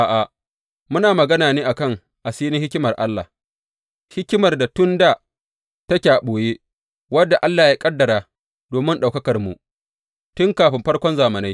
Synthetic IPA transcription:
ʔaː˨ʔa˨ | mʊ˦naː˨mɐ˨ɡɐ˦naː˨neː˦ʔa˨kɐ˦˨ŋ | ʔa˨siː˦ni˦hɪ˦kʲɪ˦mɐ˨rʔa˦lːa̰˨h | hɪ˦kʲɪ˦mɐ˨rda˨tʊ˦nda˨ | ta˦kʲaː˨ɓoː˨je˦ | wɐ˦dːa˨ʔa˦lːaː˨ja˦kʼɐ˦dːɐ˨ɾaː˨ | doː˨mɪ˦nɗa˨kɐ˦kɐ˨rmṵ˨ | tʊ˦ŋkaː˨ɸɪ˨mɸɐ˦rkʷɔ˦nzaː˨mɐ˨na˦j

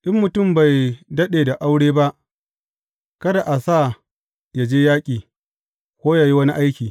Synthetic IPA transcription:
ʔɪ˦mːʊ˨tʊ˦˨mba˨jdɐ˦ɗeː˨da˨ʔa˦wɽeː˦ba˦ʔ | kɐ˦da˨ʔa˨sa˦˨ | ja˨d͡ʒeː˦jaː˦kʲʼiː˨ | kʷoː˦ja˨ji˦wɐ˦ni˦ʔa˦jkʲiː˨

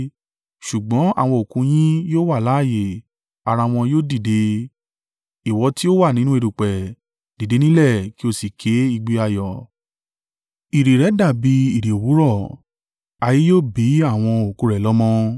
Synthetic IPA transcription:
ʃu˨ɡ͡bɔ̃˨˦a̰˦˨w̃ɔ̃˧o˨kũ˧˦j̃ĩ˦joː˦wa˦˨la˨˦˨je˨ | a˨ɾa˧w̃ɔ̃˧joː˦˨di˦˨de˧ | i˨wɔ˧˦ti˦o˦wa˦˨nĩ˦nũ˦e˧ɾu˨k͡pɛ˨ | d̥i˨de˧˦nĩ˦lɛ˦˨ki˨˦o˦˨si˨kʰe˨˦i˧ɡ͡bi˧a˧jɔ˨ | i˨ɾi˨ɾɛ˨˦da˦˨bi˧˦i˨ɾi˨o˨wu˨˦ɾɔ˦˨ | a˧ji˦joː˦bi˨˦a˦˨w̃ɔ̃˧o˨kũ˧˦ɾɛ˨lɔ˦mɔ̃˦

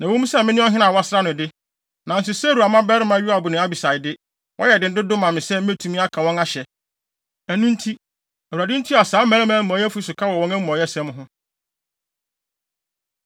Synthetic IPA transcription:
nã˨wõ˦mũ˦sɛ˦˨mɪ̃˦nʊ̃˦ɔ˦ɦɪ̃˦nã˨wa˦sɾa˦nʊ̃˨dɪ˦ | nã˨n̩˨s̬ʊ˨sɛ˦ɾu˨a˨mã˦bɛ˦ɾɪ˦mã˨˦ɥi˦a˨bʊ˨nɪ̃˨˦a˦bi˨sa˨ɪ˨dɪ˦ | wʔɔ̰˦jɛ˨dɪ̃˨n̩˦dɪ˦dʊ˦mã˨mɪ̃˨sɛ˦m̩˦e˦tʰũ˨˦mĩ˦a˦kʰã˨wɔ̃˦na˦ɕɛ˨ | æ˨nũ˦n̩˦tʰi˦ | æ˨wu˨ɾa˨dɪ˦n̩˦tʰi˦a˨saː˨˦mæ̃˨˦mã˨˦ɔ̃˨˦jɛ˦fu˦sʊ˨kʰa˦wɔ˨wɔ̃˦næ˦m̩˦ɔ˨˦jɛ˦sɛ̃˦m̃˦ɦʊ̃˦

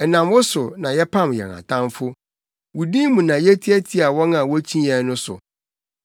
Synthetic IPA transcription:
ɛ˨nã˨mwʊ˦sʊ˨nã˨jɛ˦pʰã˦˨mjɛ̰˨nã̰˨tʰã˦mfʊ˦ | wu˨dĩ˦mũ˨nã˨jɛ˦tʰi˦ɛ˦tʰi˦a˨wɔ̃˦nã˨wɔ˦t͡ɕʰĩ˦ɛ̃˨˦nʊ̃˦sʊ̰˨

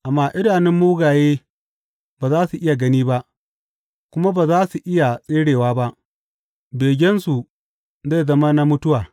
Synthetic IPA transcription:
ʔa˨mːaː˦ʔɪ˦daː˨nɪ˦mːuː˦ɡaː˨jeː˦ | baː˨zaː˦su˨ʔɪ˦ja˨ɡɐ˦niː˦ba˦ʔ | kʷʊ˦ma˦baː˨zaː˦su˨ʔɪ˦ja˨sʼeː˦ɽeː˨waː˦ba˦ʔ | beː˨ɡʲɛ˦nsu˨ | za˦˨jzɐ˦ma˦na˦mʊ˦tʊ˦waː˨

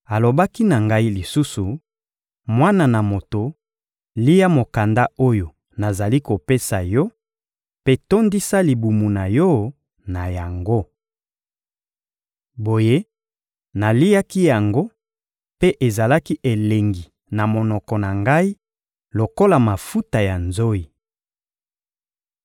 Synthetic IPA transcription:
a˨lo˨ba˦ki˦na˨ŋɡa˦i˦li˨su˦su˨ | mwa˦na˨na˨mo˨to˨ | li˦ja˦mo˨ka˨nda˦o˦jo˨ | na˨za˨li˦ko˨pe˦sa˨jɔ˦ | pe˦to˦ndi˦sa˦li˨bu˨mu˨na˨jɔ˦ | na˨ja˨ŋɡo˦ | bo˨je˦ | na˨li˦ja˦ki˦ja˨ŋɡo˦ | pe˦ʔe˨za˨la˦ki˦ʔe˨le˨ŋɡi˨ | na˨mo˨nɔ˨kɔ˨na˨ŋɡa˦i˦ | lo˨ko˦la˨ma˨fu˦ta˨ja˨nzo˦i˨

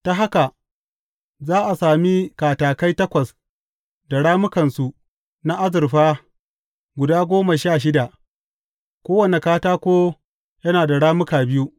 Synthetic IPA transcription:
ta˦ɦa˦ka˨ | zaː˦ʔa˨saː˨mi˦kaː˨taː˨ka˦jtɐ˦kʷɐ˨s | da˨ɽaː˦mʊ˦kɐ˨nsu˨ | na˦ʔa˦zɪ˨ɾɸaː˦ | ɡʷʊ˨daː˦ɡʷoː˦ma˨ʃaː˦˨ʃ̬ɪ˦da˨ʔ | kʷoː˦wɐ˨ne˨kaː˦taː˦kʷoː˦ | jɐ˦naː˨da˨ɽaː˦mʊ˦kaː˨bɪ˦ju˦ʔ

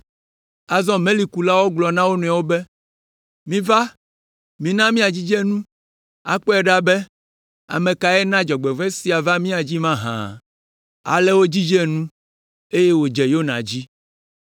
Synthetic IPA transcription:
a˨zɔ̃˦mẽ˦li˨ku˨la˦wo˦ɡ͡blɔ˨nã˦wo˦nũ˨a˨wo˦bɛ˦ | mĩ˦va˦ | mĩ˦nã˦mĩ˦a˨d͡ʑi˦d͡ʒɛ˦nũ˦ | a̰˨k͡pɔ˦ɛ˨ɖa˦bɛ˦ | a̰˨mẽ˨ka˨ɛ˦nã˦d͡ʒɔ˨ɡ͡bɛ˨vɛ˦si˨a˨va˦mĩ˦a˨d͡ʑi˦mã˦ɦã̰˨ | a̰˨lɛ˦wo˦d͡ʑi˦d͡ʒɛ˦˨nũ˦ | e˦je˦wo˨d͡ʒɛ˨jo˦nã̰˨d͡ʑi˦

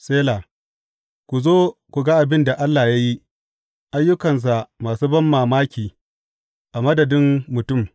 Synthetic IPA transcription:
seː˦laː˨ | kʷu˨zoː˦kʷu˨ɡa˦ʔa˨bɪ˦nda˨ʔa˦lːaː˨ja˦ji˦ | ʔa˦jːʊ˦kɐ˨ns̬a˨ʔmaː˨suː˦bɐ˦mːaː˨maː˦kʲiː˨ | ʔa˨mɐ˦dɐ˨dɪ˦mːʊ˨tʊ˦˨m

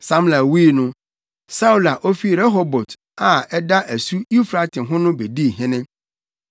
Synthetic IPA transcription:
sã˦mla˨wiː˦˨nʊ̃˦ | sa˦u˨la˨ʔo˦fi˦ɾɛ˦ɦɔ˦bɔ˨t | a˨ɛ˦da˦ʔæ˨su˦i˦fɾa˦tʰɪ̃˨ɦʊ̃˦nʊ̃˦be˨di˦˨ɦɪ̃˦nɪ̃˦

